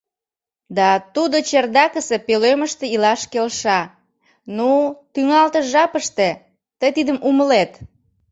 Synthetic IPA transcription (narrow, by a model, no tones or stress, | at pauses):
d̪ɑt̪ud̪ot͡ɕerd̪ɑkəsepeløməʃt̪eilɑʃkelʃɑ | nut̪yŋɑlt̪əʒɑpəʃt̪e | t̪əjt̪id̪əmuməlet̪